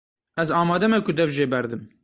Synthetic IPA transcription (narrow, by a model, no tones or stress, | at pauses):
ʔɛzɑːmɑːd̪ɛmɛkʊd̪ɛvʒeːbɛɾd̪ɨm